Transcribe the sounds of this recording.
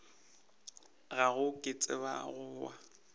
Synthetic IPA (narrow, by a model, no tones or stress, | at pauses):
ɣaɣʊkʼɪt͡sʼɪ̰ba̰ɣʊːwa